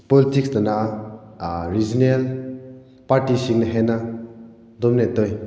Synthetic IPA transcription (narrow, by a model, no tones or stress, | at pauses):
pɔlitiksdana | ɾid͡ʒinel | paɾtisiŋnɐɦena | dɔmnetɔj